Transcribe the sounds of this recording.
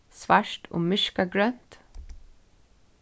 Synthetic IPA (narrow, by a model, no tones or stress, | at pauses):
sʋæʃʈʰo̰ːmʏʃkɑɡɹœnt̪